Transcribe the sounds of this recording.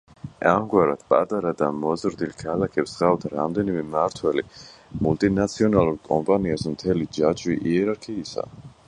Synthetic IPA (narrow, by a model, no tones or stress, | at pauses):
amɡwaɾa̰d̪̥pʼa̰t̪ʼaɾad̪amɔzɾd̪ilkʰalakʰɛpsʁat̪ʰɾa̰md̪ɛnimɛmaɾt̪ʰwɛlimult̪ʼinat̪sʰiɔnalˠuɾkʼɔmpʼaniasmt̪ʰɛlid͡ʒat͡ʃʰʼwiʔiɛɾaɾkʰiːsa̰